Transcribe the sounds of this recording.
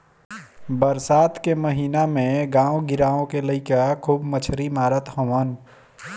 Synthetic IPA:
bəɾsaːt̪keməɦiːnamẽɡãːõɡɪɾaːõkeləɪkakʰuːbmət͡ʃʰɾimaːɾət̪həwən

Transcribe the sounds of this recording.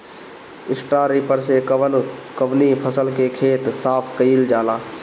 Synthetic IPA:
ɪsʈaːɾiːpəɾsenkəʋnipʰəsəlkekʰeːt̪saːpʰkəild͡ʒaːlaː

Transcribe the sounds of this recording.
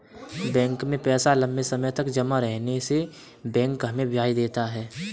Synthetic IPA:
bɛ̃ːŋkmẽpɛːsalɐ̃mbesɐməjt̪ɐkd͡ʒɐmaɾɛɦnese | bɛ̃ːŋkɦɐmẽbjaːid̪eːt̪aɦɛː

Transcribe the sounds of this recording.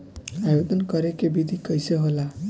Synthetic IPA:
ajod̪ʱʌnkʌɾekebid̪ʱikʌjseɦola

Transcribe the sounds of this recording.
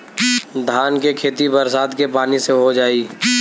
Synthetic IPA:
d̪ʱaːnkekʰeːt̪ibəɾsaːd̪kepaːniseɦod͡ʒaːiː

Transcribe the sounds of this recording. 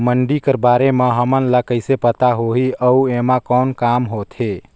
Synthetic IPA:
məɳɖikəɾbaɾemeɦəmənləkəjsepət̪aɦoɦiəuemakənkamɦot̪ʰe

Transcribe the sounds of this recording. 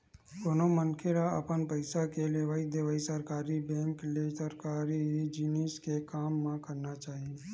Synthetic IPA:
konomənkʰeɾaɐ̰pənpəɪsakeleːʋaːid̪eʋaːisəɾkaːɾibɛ̃ːŋklesəɾkaːɾid͡ʒiːniːskekaːmːãkəɾnat͡ʃaːɦie

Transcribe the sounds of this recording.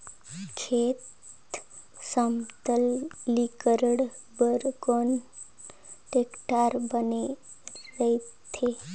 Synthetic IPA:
kʰet̪ | samt̪əlːikəɾəɽbəɾkon | ʈekʈaɾbəneɾəit̪ʰe

